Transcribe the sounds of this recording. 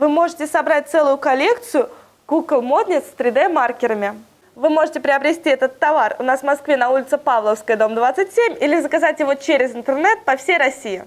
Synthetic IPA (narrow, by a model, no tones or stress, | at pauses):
vɨmo̞ʐɨtʲɪsɐbɾat̚ʲt̪sɛlˠʊjʊkɐlʲe̞kt̪sɨjʊ | ɡ̥uɡlˠmo̞d̪nʲɪst̪ɾʲɪd̪ɛmarkʲɪɾəmʲɪ | vɨmo̞ʐɨtʲɪpɾʲɪɐbɾʲɪsʲtʲiɛt̪ət̪ːɐvarʊ̰nasvmɐskvʲenɐulʲɪt̪sɨpavlˠəfskəjəd̪o̞md̪vat̪sɨtʲsʲemʲilʲɪzəkɐzatʲjɪvot͡ɕeɾʲɪzɨnt̪ərnɛt̪̚pɐfsʲejɾɐsʲijɪ